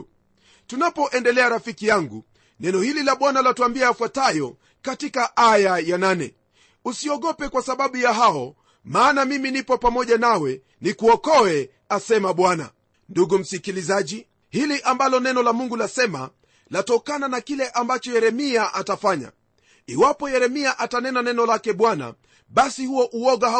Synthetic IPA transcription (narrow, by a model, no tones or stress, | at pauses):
tunapɔʔɛndɛlɛaɾafikijaŋɡu | nɛnɔhililaɓwanalatuambiaːfwatajɔ | katikaʔajajananɛ̰ | usiɔɠɔpɛkwasaɓaɓujaɦaɔ | maːnamiminipɔpamɔʄanawɛ | nikuɔkɔɛ | asɛmaɓwana̰ | nduɡum̩sikilizaʄi | hiliʔambalɔnɛnɔlamuŋɡulasɛma̰ | latɔkananakilɛʔambat͡ʃɔjɛɾɛmiaʔatafaɲa̰ | iwapɔjɛɾɛmiaʔatanɛnanɛnɔlakɛɓwana̰ | ɓasihuɔʔuɔɡah